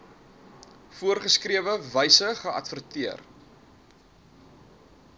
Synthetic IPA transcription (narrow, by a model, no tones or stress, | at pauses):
fuərχəskriəvəvəjsəχəɐ̰tfərtiər